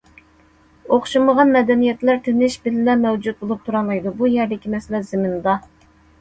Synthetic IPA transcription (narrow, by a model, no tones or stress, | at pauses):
oχʃuməʁɑnmɛd̪ɛnijɛt̪læɾt̪ʰɪnɪʃbɪlɪlɛmɛwd͡ʒut̪̚bolˠup̚t̪ʰuɾɑlˠɑjd̪ubujɛɾd̪ɪkʲimɛsɪlɛzɪmɪnd̪ɑ